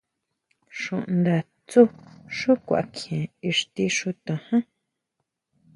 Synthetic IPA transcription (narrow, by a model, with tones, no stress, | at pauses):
ʂũ˨ʔnd̪a˨ | t͡su˦ʂũ˦kʷa̰˨ʔa˨kʰẽ˨i˧ʂt̪i˧ʂu˧t̪ã˨hã˦